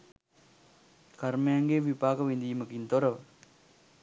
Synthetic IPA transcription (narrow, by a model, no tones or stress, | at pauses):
kaɾmejaŋɡeʋipaːkɐʋind̪ijməkint̪oɾɐʋə